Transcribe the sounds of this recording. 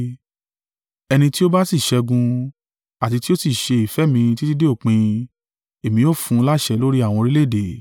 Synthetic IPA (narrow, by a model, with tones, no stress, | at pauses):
ɛ˧nĩ˧ti˦o˦ba˦si˦˨ʃɛ˧ɡũ˧ | a˨ti˧ti˦o˦si˦˨ʃe˧i˨fɛ˨˦mĩ˧ti˦di˦de˦o˦˨k͡pĩ˧ | e˨mĩ˧o˦˨fũ˧la˦˨ʃɛ˧˦lo˦ɾi˦a˦˨w̃ɔ̃˧ɾi˦le˦˨de˨